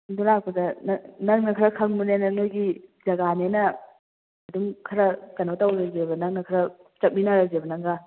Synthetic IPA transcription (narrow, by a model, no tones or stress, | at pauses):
dulak̚pɐdɐnɐnɐŋknɐkʰɐɾɐkʰɐŋmunenɐnojɡid͡ʒɐɡanenɐ | ɐdumkʰɐɾɐkɐnotawɾɐzebɐnɐŋ̚nɐkʰɐɾɐ | t͡ʃɐt̚minaɾɐzebɐnɐŋɡa